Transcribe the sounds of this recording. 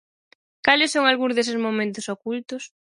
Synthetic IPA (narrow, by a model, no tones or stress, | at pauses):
kalɪsːoŋalɣũŋzðes̬ɪsmomẽnt̪ʊsokult̪ʊs